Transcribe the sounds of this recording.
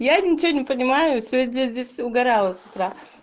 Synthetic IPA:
janʲɪt͡ɕɪvonʲɪpənʲɪmajʊsʲvʲet̪̚ʲdʲezʲdʲesʲʊɡɐɾalˠəsʲʊ̥t̪ɾa

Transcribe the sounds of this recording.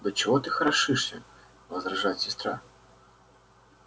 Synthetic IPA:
d̪ɐt͡ɕɪvot̪ɨxɐɾɐʂɨʂsʲə̰ | vəzɾɐʐatʲsʲɪst̪ɾa

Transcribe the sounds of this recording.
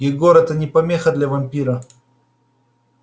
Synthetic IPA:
ɪɡoɾɛt̪ənʲɪpɐmʲexəd̪lʲɐvɐmʲpʲiɾə

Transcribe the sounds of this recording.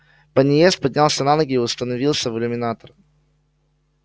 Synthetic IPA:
pənʲɪjest̪̚pɐdʲnʲalˠsʲənalˠəɡʲɪːʊst̪ənɐvʲilˠsʲəvɨlʲʊmʲɪnat̪ər

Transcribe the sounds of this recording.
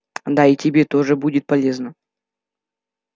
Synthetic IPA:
d̪aitʲɪbʲet̪o̞ʐɨbudʲɪt̪̚pɐlʲe̞znə

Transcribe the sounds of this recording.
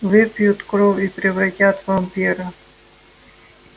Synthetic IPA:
vɪpʲjut̪kɾovʲipɾʲɪvɾɐtʲat̪vɐmpʲiɾɐ

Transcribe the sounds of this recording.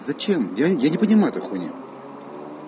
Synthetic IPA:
zɐt͡ɕemjajanʲɪpənʲɪmajʊt̪oxunʲɪ̰

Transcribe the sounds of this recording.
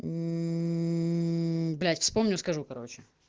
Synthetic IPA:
blʲætʲfspo̞mnʲʊskɐʐukɐɾo̞t͡ɕɪ

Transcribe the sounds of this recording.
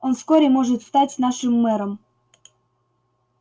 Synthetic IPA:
onskoɾʲemoʐɨt̪st̪atʲnaʂɨmːɛɾəm

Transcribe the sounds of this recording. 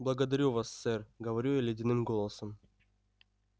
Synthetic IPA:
blˠɐɡəd̪ɐɾʲuvasːɛrɡəvɐɾʲujalʲɪdʲɪnɨmɡolˠəsəm

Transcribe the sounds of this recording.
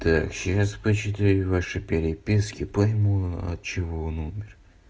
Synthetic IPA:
t̪akɕaspət͡ɕɪt̪ɪjʲʊvaʂɨpʲɪɾʲɪpʲiskʲɪpɐjmuɐ̰t̪̚t͡ɕɪvoonumʲɪr

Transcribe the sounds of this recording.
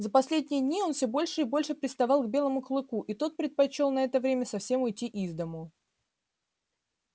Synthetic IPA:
zəpɐsʲlʲedʲnʲɪjəd̪ʲnʲio̞nfsʲobo̞lʲʂɨɪbo̞lʲʂɨpʲɾʲɪst̪ɐvɑlˠɡbʲe̞lˠəmʊklˠɨkuʔit̪o̞t̪̚pɾʲɪt̪̚pɐt͡ɕo̞lˠnɐɛt̪əvɾʲemʲəsɐfsʲe̞mʊjtʲːiʔizd̪əmʊ

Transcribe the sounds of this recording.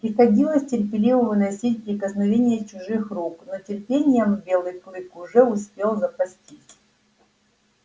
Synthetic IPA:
pɾʲɪxɐdʲilˠəsʲtʲɪrʲpʲɪlʲivəvɨnɐjsʲit̚ʲpɾʲɪkəsnɐvʲenʲɪjət͡ɕʊʐɨxruknotʲɪrpʲenʲɪjəmvbʲe̞lˠɨjklˠɨkʊʐɛʊspʲe̞lˠzəpɐsʲtʲit͡sʲ

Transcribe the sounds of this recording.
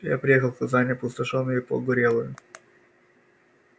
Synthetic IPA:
ja̰pɾʲɪjexəlˠkkɐzanʲɪpʊst̪ɐʂonːʊjʊɪpə̰ɡʊɾʲelˠʊjʊ

